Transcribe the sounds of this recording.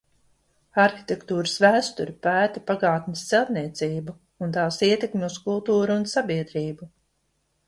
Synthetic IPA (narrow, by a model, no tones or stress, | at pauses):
aɾxi̥t̪ʲekt̪uːɾəsvæːst̪uɾʲipæːt̪apaɡaːt̪nʲɪst̪sɛlˠt̪niɛt̪siːbu | unt̪aːsiɛt̪ekmʲeuskulˠt̪uːɾuːnsabiɛd̪ɾiːbu